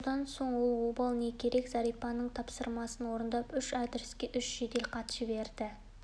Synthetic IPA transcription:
d̪ɑnso̞ɴwolˠwobɑlˠnekʲʰeɾe̞kzɑɾijpːɑnəɴt̪ʰɑpsəɾmɑsənwo̞ɾənd̪ɑpʏʃɑd̪ɪɾɪskʲe̞ʔʏʃʒ̥ed̪e̞lqʰɑt̪ʃəbe̞ɾd̪̥ɪ

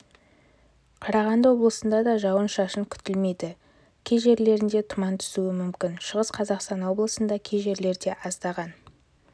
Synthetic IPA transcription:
qʰɑɾɑʁɑnd̪əwo̞blˠəsənd̪ɑd̪ɑʒɑwənʃɑʃəŋkʲʰʏ̥t̪ɪlme̞jd̪ɪ | kʲʰeʒe̞ɾle̞ɾɪnd̪e̞t̪ʰʊmɑnt̪ʰʏ̥suɪmʏmkʲɪnʃəʁəsqʰɑzɑqst̪ɑnwo̞blˠəsənd̪ɑkʲʰejʒe̞ɾle̞ɾd̪e̞ʔɑzd̪ɑʁɑn

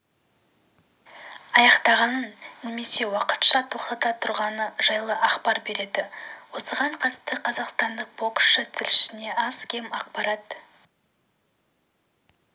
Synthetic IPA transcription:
ɑjɑqt̪ɑʁɑnənne̞me̞se̞wɑqə̥t̪ʃɑt̪ʰo̞qt̪ɑt̪ɑt̪ʰʊɾʁɑnəʒ̥ɑjlˠəʔɑχpɑɾbe̞ɾe̞d̪ɪwo̞səʁɑɴqʰɑt̪ə̥st̪əqʰɑzɑqst̪ɑnd̪əq̚b̥o̞kʃət̪ʰɪlɪʃɪne̞ʔɑzkʲʰe̞mɑq̚pɑɾɑt̪

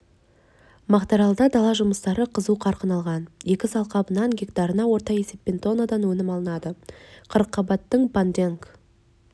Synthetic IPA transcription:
mɑqt̪ɑɾɑlˠd̪ɑd̪ɑlˠɑʒʊməst̪ɑɾəqʰəzuqʰɑɾqənɑlˠʁɑnje̞kʲɪsɑlˠqɑbənɑŋɡʲekt̪ɑɾənɑwo̞ɾt̪ɑe̞se̞p̚ʲːe̞nt̪o̞nad̪ɑnwɵnɪmɑlˠənɑd̪əqʰəɾəqʰːɑbɑt̪ːəɴband̪eŋk

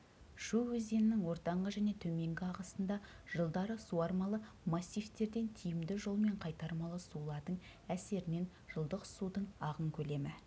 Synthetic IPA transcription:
ʃuwɵzd̪e̞nɪnɪŋwo̞ɾt̪ɑɴʁəʒæne̞t̪ʰɵme̞ŋɡʲɪɑʁɑsənd̪ɑ | ʒ̥əlˠd̪ɑɾəsuɑɾmɑlˠə | mɑsʲːijft̪e̞ɾd̪e̞nt̪ʰijɪmd̪ɪʒo̞lˠme̞ɴqʰɑjt̪ɑɾmɑlˠəsulˠɑɾd̪əɴ | æse̞ɾɪne̞n | ʒ̥əlˠd̪əqsud̪əɴɑʁəŋkʲʰɵle̞mɪ

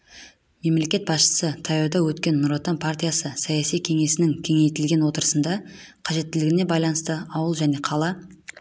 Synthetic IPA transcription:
me̞mle̞kʲe̞t̪̚bɑsʃə̥sət̪ʰɑjod̪ɑwɵt̪kʲe̞nːuɾot̪anpʰart̪ʲijasəsɑjasijkʲʰe̞ŋe̞sɪnɪŋkʲʰe̞ŋe̞jt̪ɪlɡʲe̞nwo̞t̪əɾə̥sənd̪ɑ | qʰɑʒe̞t̪ːɪlɪɡʲɪne̞bɑjlˠɑnəst̪əɑwəlˠʒæne̞qʰɑlˠɑ

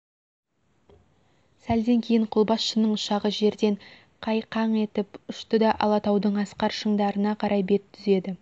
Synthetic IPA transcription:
sæld̪e̞ŋkʲʰe̞jɪɴqʰʊlˠbɑsʃənəɴʊʃɑʁəʒe̞ɾd̪e̞ɴ | qʰɑjqʰɑɴe̞t̪ɪpʊʃt̪əd̪ɑʔɑ̰lˠɑt̪ɑwd̪əɴɑsqɑɾʃəɴd̪ɑɾənɑqʰɑɾʔɑjbe̞t̪ʰːʏze̞d̪ɪ

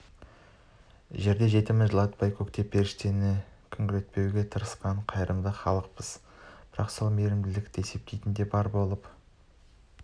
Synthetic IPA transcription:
ʒe̞ɾd̪e̞ʒe̞t̪ɪmɪʒəlˠɑt̪b̥ɑjkʰokt̪e̞pʰːe̞ɾɪʃt̪e̞nɪkʲʰʏŋɡʲɪlet̪̚pe̞wɡʲe̞t̪ʰəɾəsqɑɴqʰɑjəɾʔəmd̪əχɑlˠəq̚pəz̥b̥ɪɾɑqso̞lˠme̞ɾɪmd̪ɪlɪkt̪ɪe̞se̞p̚t̪ʰejt̪ɪnd̪e̞bɑɾbo̞lˠəp

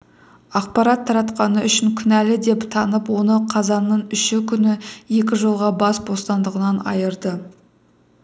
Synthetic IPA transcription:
ɑq̚pɑɾɑt̪ʰːɑɾɑt̪qɑnəʔʏʃɪŋkʲʰʏnælɪd̪e̞pt̪ʰɑnəpwo̞nəqʰɑzɑnːəɴʏʃɪkʲʰʏnɪje̞kʲɪʒolˠʁɑbɑsbo̞st̪ɑnd̪əʁənɑnɑ̰jəɾd̪ə

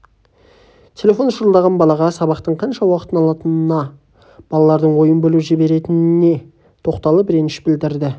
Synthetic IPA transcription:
t̪ʲʰe̞lʲe̞fo̞nʃʊɾəlˠd̪ɑʁɑnbɑlˠɑʁɑsɑbɑqt̪əɴqʰɑnʃɑwɑqə̥t̪ənɑlˠɑt̪ənənɑ | b̥ɑlˠɑlˠɑɾd̪əɴwo̞jənbɵluʒɪbe̞ɾe̞t̪ɪnɪne̞ | t̪ʰo̞qt̪ɑlˠəpɾenɪʃbɪld̪ɪɾd̪ɪ

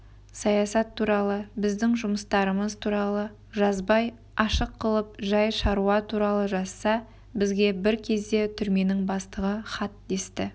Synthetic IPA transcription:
sɑjɑsɑt̪ʰːuɾɑlˠəbɪzd̪ɪŋʒʊməst̪ɑɾəməzt̪ʰuɾɑlˠə | ʒɑzbɑj | ɑʃəqʰːəlˠəp̚ʒɑjʃɑɾuɑt̪ʰuɾɑlˠəʒɑsːɑ | bɪzɡʲe̞bɪɾkʲʰe̞zd̪e̞t̪ʰʏɾme̞nɪŋbɑst̪əʁəχɑt̪̚d̪e̞st̪ɪ

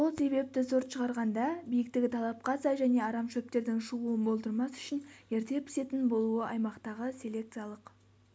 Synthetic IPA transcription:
so̞lˠse̞βe̞p̚t̪ɪzo̞ɾt̪ʃəʁɑɾʁɑnd̪ɑbijɪk̚t̪ɪɡʲɪt̪ʰɑlˠɑp̚qɑsɑjʒæne̞ɑɾɑmʃɵp̚t̪e̞ɾd̪ɪŋʃəʁuənbo̞lˠd̪əɾmɑsʏ̥ʃɪnje̞ɾt̪e̞pʰɪ̥se̞t̪ɪnbo̞lˠuəʔɑjmɑqt̪ɑʁəsʲe̞le̞kt̪sɨjalˠəq

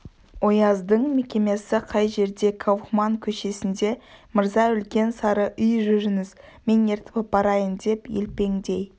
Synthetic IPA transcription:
wo̞jɑzd̪əɴme̞kʲe̞me̞sɪqʰɑjʒe̞ɾd̪e̞kʰɑwχmɑŋkʲʰɵʃe̞sɪnd̪e̞məɾzɑʏlkʲe̞nsɑɾəʔʏjʒʏɾɪŋɪzmʲe̞ne̞ɾt̪ɪ̥pɪp̚bɑɾɑjənd̪e̞pjḛlpe̞ŋd̪e̞j

